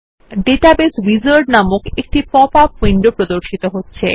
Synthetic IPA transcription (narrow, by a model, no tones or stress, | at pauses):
ɖeʈabesbid͡ʑoɾɖnamokek̚ʈipɔpafeɳɖopɾod̪oɾʃit̪oɦotːɕʰe